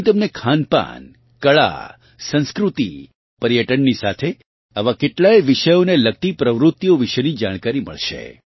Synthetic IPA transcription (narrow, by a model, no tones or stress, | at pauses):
t̪əmnekʰanpa̰n | kəɭa̰ | sə̃nskɾut̪i | pəɾjəʈənnisat̪ʰe | əʋakeʈlajʋɪʃəjonelək̚t̪ipɾəʋɾʊt̪ːjoʋiʃənid͡ʒaɽ̃kaɾimə̰ɭʃḛ